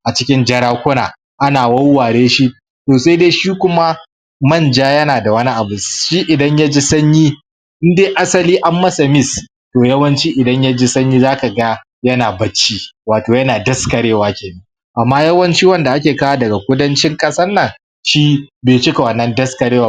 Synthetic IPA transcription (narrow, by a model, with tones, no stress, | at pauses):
ʔa˨t͡ʃɪ˦kʲɪ˦nd͡ʒɐ˦ɽaː˦kʷʊ˦naː˨ | ʔa˦naː˨wɐ˦wːaː˨ɽeː˦ʃi˦ | toː˨sa˦jdeː˦ʃiː˦kʷʊ˦ma˦ | mɐ˦˨nd͡ʒaː˦jɐ˦naː˨da˨wɐ˦ni˦ʔa˨bʊ˨ʃiː˦ʔɪ˨dɐ˦ɲja˦d͡ʒeː˦sɐ˦ɲjiː˦ | ʔɪ˦ndeː˦ʔa˦sɐ˦liː˦ʔa˦mːɐ˦sɐ˨mɪ˦s | toː˨jɐ˦wɐ˦nt͡ʃiː˦ʔɪ˨dɐ˦ɲja˦d͡ʒe˦sɐ˦ɲjiː˦zaː˦ka˨ɡa˦ | jɐ˦naː˨bɐ˦t͡ʃːiː˦waː˨toː˨jɐ˦naː˨dɐ˦skɐ˨ɽeː˦waː˨kʲeː˨nɐ˦ | ʔa˨mːaː˦jɐ˦wɐ˦nt͡ʃiː˦wɐ˦nda˨ʔa˦kʲeː˨kaː˦aː˦dɐ˨ɡa˨kʷʊ˦dɐ˦nt͡ʃɪ˦ŋkʼɐ˦sɐ˦nːɐ˨ŋ | ʃiː˦beː˨t͡ʃɪ˦ka˨wɐ˨nːɐ˦ndɐ˦skɐ˨ɽeː˦wa˨